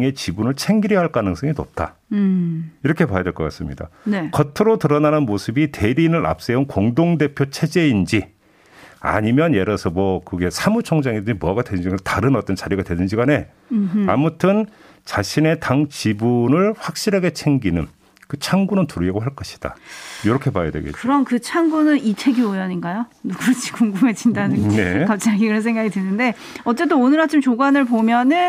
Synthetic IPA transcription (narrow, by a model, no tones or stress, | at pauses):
ŋe̞t͡ɕibunɯɭt͡ɕʰe̞ŋɡiɾjʌɦaɭk͈anɯŋs͈ʌŋinop̚t͈a̰ | iɾʌkʰe̞pajʌdwe̞ɭkʌk͈as͈ɯmɲida̰nkʌtʰɯɾotɯɾʌnanɯnmosʰɯbitʰe̞ɾinɯɾʔa̰p̚s͈e̞unkoŋdoŋde̞pʰjot͡ɕʰe̞d͡ʑe̞ind͡ʑi | a̰ɲimjʌnjeɾʌsʰʌmwʌkɯɡe̞sʰamut͡ɕʰʌŋd͡ʑaŋedɯɲimuʌaɡadwedɯnd͡ʑiataɾɯnʌt͈ʌnt͡ɕaɾjiɡadwe̞dɯnd͡ʑiɡane̞ | a̰mutʰɯn | t͡ɕaɕʰine̞taŋt͡ɕibunɯɭɸwak̚ɕ͈iɾɦaɡe̞t͡ɕʰe̞ŋɡinɯn | kɯt͡ɕʰaŋɡunɯntuɾɯʌɡoɦaɭk͈ʌɕʰi̥d̥a̰joɾʌkʰe̞pajadweɡḛkɯɾʌmkɯt͡ɕʰaŋɡunɯnit͡ɕʰe̞ɡjoujʌɲinɡajonuɡut͡ɕʰi̥kuŋɡume̞t͡ɕindanɯŋne̞kap̚t͡ɕ͈aŋikɯɾʌnsʰe̞ŋɡaɡitenɯnde̞ | ʌt͡ɕ͈e̞t͈oonɯɾat͡ɕimt͡ɕoɡwanɯɭp̬omjʌnɯn